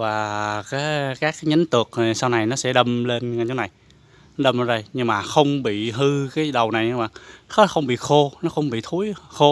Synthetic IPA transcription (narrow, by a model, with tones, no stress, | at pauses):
vaː˨˩kaː˨˦jkaː˦˥k̚ːaː˨˦jɲə˨˦nt̪ɨ˨˩ək̚ːsaː˧wna˨˩jnɔ˨˦sɛ̰˧˥ɗə˧mle˧nŋa˧˩ɲɔ˨˦na˨˩j | nɔ˨˦ɗə˧mʔə˨˦zə˧jɲɨ˧ŋmaː˨˩xə˧wŋ͡mɓḭ˧˨ɦɨ˧kaː˨˦jɗə˨˩wna˨˩jɲa˧wɓa̰ː˧˨˩ŋxxə˧wŋ͡mɓḭ˧˨xo˧nɔ˨˦xə˧wŋ͡mɓḭ˧˨t̪ʰu˨˦jxo˧